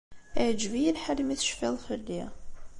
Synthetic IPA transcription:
æʕd͡ʒvijilħəlːmiθʃfiðˤfəlːi

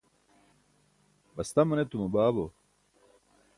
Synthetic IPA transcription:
bɐst̪ɐmɐnet̪umɐbaːbo

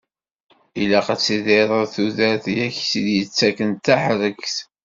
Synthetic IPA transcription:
ilaqat͡sːiðeɾˤəðθuðæɾθjæçsiðjət͡sːækənt̪ːaħɾəkθ

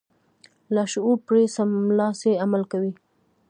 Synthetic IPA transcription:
laʃupɾesamlɑseamalkawi

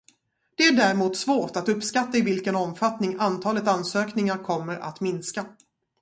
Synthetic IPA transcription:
d̪̥ɛæɖæɾmuːt̪svoːʈat̪ɵpːskat̪ːaɪvɪlkənɔmfat̪nɪŋant̪ʰɑːlət̪ansøːknɪŋaɾkʰɔmːəɾa̰t̪mɪnska

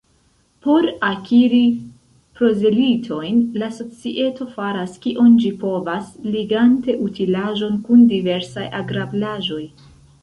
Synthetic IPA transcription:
po̞ɾakiɾi | pɾo̞zelitʰo̞jnlaso̞t͡siʔe̞to̞faɾaskiʔo̞nd͡ʒipo̞vasliɡante̞ʔutʰilaʒo̞nkundive̞ɾsajʔa̰ɡɾablaʒo̞j

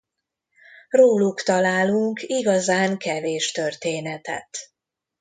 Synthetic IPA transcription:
roːlukt̪ɒlaːluŋkiɡɒzaːŋkɛveːʃt̪ørt̪eːnɛt̪ɛ̰t̪

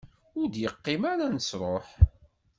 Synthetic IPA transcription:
ʊɾd̪jəqːɪmaɾanəsɾˤoħ

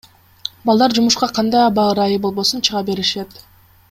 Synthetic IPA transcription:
bɑlˠd̪ɑɾd͡ʒumuʃqɑqʰɑnd̪ɑjɑbɑɯɾɑjɯbo̞lˠbo̞sunt͡ʃʰɯʁɑbe̞ɾiʃe̞t̪

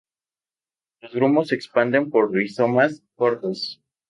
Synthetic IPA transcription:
lozɣɾumo̞sːe̞kspand̪e̞mpoɾrisomaskoɾðos

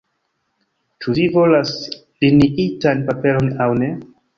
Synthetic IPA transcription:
t͡ʃuvivo̞las | liniʔitanpape̞lo̞nawne̞

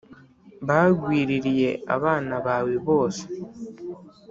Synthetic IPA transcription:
βaɡwiːɾiɾije̞a̰βaːnaβaːwiβo̞ːse̥

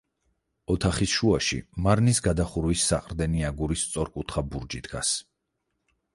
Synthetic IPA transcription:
ɔt̪ʰaχisʃuaʃḭmaɾnisɡad̪aχuɾwisːa̰qʼɾd̪ɛniaɡuɾist̪sʼɔɾkʼut̪ʰχabuɾd͡ʒid̪ɡa̰s

